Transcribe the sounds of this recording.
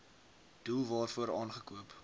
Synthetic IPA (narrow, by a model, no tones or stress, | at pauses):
d̥ulˠvɑːrfuəɾɑːnχəkuəp